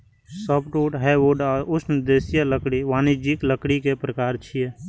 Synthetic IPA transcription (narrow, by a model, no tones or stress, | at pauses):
səpʰʈuːʈɦɛʋoɖaːɾʊsnɪd̪eːsijələkɽiʋaːnɪd͡ʒikləkɽikepɾəkaːɾt͡ʃʰie